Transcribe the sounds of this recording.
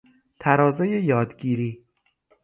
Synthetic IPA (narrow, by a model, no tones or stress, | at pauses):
t̪ʰæɾɒːzejejɒːd̪ɟiːɾiː